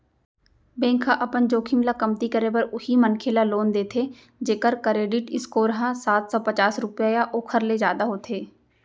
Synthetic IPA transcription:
bɛ̃ːŋkʰaʔɐpənd͡ʒoːkʰɪmlakɐmt̪ikəɾebəɾʊhimənkʰeːlaloːnd̪eːt̪ʰe | d͡ʒeːkəɾkəɾeːɖɪʈɪskoːɾɦãsaːt̪ʰsɔːpət͡ʃaːsɾʊpjaːjaʔoːkʰəɾled͡ʒjaːd̪aɦoːt̪ʰeː

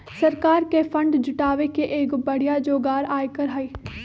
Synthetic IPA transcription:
sɐɾkaːɾkefʰɐ̃ɳɖd͡ʒʊʈaːʋekeʔeːkbɐɽ̤ijad͡ʒoːɡaːɾaːjkɐɾɦaiː

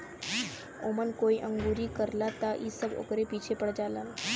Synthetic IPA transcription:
omənkoiʔəŋɡuɾiːkəɾlat̪aʔisəbo̰kɾepit͡ɕʰepəɽd͡ʒalan

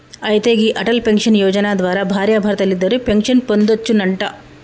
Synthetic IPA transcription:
ɐjt̪eːɡiʔɐʈɐlpeŋkʂɐnjɔːd͡ʒɐnaːd̪ʋaːɾabʱaːɾjabʱaːɾɐt̪ɐlːid̪ːɐɾepeŋkʂɐnpond̪ɐt͡ʃːunɐɳʈɐ

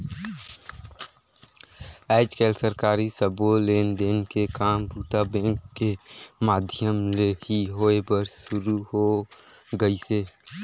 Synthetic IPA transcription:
ɛːd͡ʒkeːlsəɾkaːɾisəboleːnd̪eːnkekaːmpuːt̪abɛ̃ːŋkːemaːd̪ʱjəmlehiɦoːebəɾʃʊɾuɦo | ɡəiseː

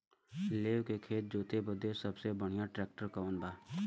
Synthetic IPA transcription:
leːʋkekʰeːt̪̚d͡ʒoːt̪ebəd̪esəbsebəɽ̤ɪjãʈɾɛːk̚ʈəɾkaõnd̪aː

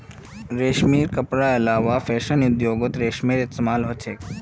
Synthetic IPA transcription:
ɾeːʃmiːɾkəpɾaelaːʋafeːʃənʊd̪joːɡʊt̪ɾeːʃmiːɾɪst̪emaːlɦot͡ʃʰeːk

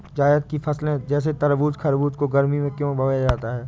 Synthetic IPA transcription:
d͡ʒaːɪjəd̪kifʰɐslẽd͡ʒɛːs̬et̪ɐɾʋuːd͡ʒkʰɐɾbuːd͡ʒkoɡɐɾmimẽkjõːbɐʋaːjad͡ʒaːt̪aɦɛː

